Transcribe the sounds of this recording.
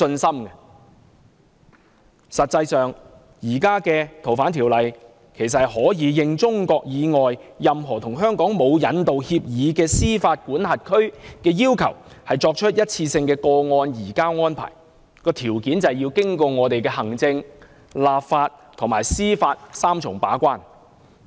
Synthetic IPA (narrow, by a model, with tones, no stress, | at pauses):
ɵ˧nsɐ˥mkɛ˧ | sɐ˨t̚t͡sɐ˧jsœː˨ŋ | jiː˨˩kaː˥kɛː˧t̪ʰo˨˩wfaː˨˥nt̪ʰiː˨˩wlɐ˨j | kʰe˨˩js̬ɐ˨hhɔː˨˥jiː˨˧jɪ˧ŋt͡sʊ˥ŋkɔː˧k̚jiː˨˧ŋɔː˨jjɐ˨mɦɔː˨˩t̪ʰʊ˨˩ŋɦœː˥ŋkɔː˨˥ŋmo˨˧wjɐ˨˥nt̪o˨whiː˧p̚jiː˨˧kɛː˧siː˥faː˧t̚kuː˨˥nhɐ˨t̚kʰɵ˥ɥkɛː˧jiː˥wkʰɐ˨˩whɐ˨jt͡ʃɔː˧k̚t͡ʃʰɵ˥t̚jɐ˥t̚t͡sʰiː˧sɪ˧ŋkɛː˧kɔː˧ŋɔː˧njiː˨˩kaː˥wŋɔː˥npʰa̰ː˨˩j | kɔː˧t̪ʰiː˨˩wkiː˨˥nt͡sɐ˨wjiː˧wkɪ˥ŋkɔː˧ŋɔː˨˧t̪e˨jkɛː˧hɐ˨˩ŋt͡sɪ˧ŋ | laː˨p̚faː˧t̚t̪ʰʊ˨˩ŋmaː˨˩jsiː˥faː˧t̚saː˥mt͡ʃʰʊ˨˩ŋpa̰ː˨˥kʷaː˥n